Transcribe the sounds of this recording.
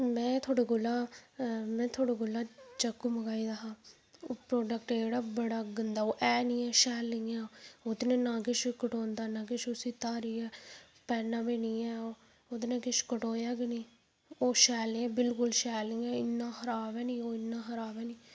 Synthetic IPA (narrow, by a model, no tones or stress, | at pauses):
mɛ̃ːt̪ʰoːɽeɡʊlːãː | mɛ̃ːt̪ʰoːɽeːɡʊlãːt͡ʃəkːuːməɡaːiːd̪aːɦaː | opɾoːɖəkʈeːɽaːbəɽaːɡənd̪aːoːʔɛːnĩːɛːʃɛːlːɪ̃ŋɡɛːod̪nẽːnãːkɪʃkəʈoːnd̪aːnãːk̬ɪʃʊsiːt̪aːɾiːɛː | pɛːnːãːbeːniːɛːo | od̪nẽːkɪʃkəʈoːjaːɡɪniː | oːʃɛːlɪ̃ɛːbɪlkʊlʃɛːlɪŋɡɛːɪnːãːxəɾaːbɛːnĩːoːɪnːãːxəɾaːbɛːniː